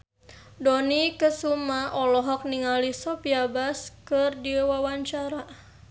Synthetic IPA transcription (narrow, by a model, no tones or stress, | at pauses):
dɔnikəsumaʔɔlɔɦɔk̚niŋalisɔpiabaskərdiwawaɲt͡ʃaɾa